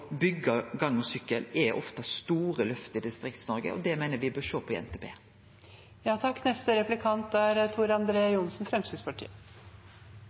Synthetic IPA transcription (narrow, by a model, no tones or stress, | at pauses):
bʏɡəɡɑŋːɔsʏkːəlɛʔɔft̪ɑst̪uːɾəlœft̪əɪd̪ɪst̪ɾɪkt̪snɔɾɡə̰ʔɔ̰d̪ɛmeɪnəʋɪbøːʃoːpʰɔɛ̰nt̪ʰeːbḛː | jɑːt̪ʰɑkːnɛst̪əɾɛplɪkʰɑnt̪̚d̪æɾt̪ʰuːɾɑnd̪ɾeːjʊnsn̩fɾɛmsɪspɑʈʰḭːə